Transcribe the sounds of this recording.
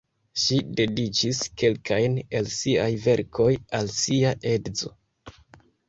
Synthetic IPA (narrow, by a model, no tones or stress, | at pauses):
ʃide̞dit͡ʃiske̞lkajnelsiajve̞ɾkʰo̞jalsiaʔe̞dzo̞̰